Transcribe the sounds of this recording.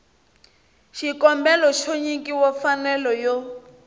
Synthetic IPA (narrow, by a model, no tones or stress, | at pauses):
ʃikɔmbɛlɔʃoɲiŋkʼiwɔfanɛlɔjɔ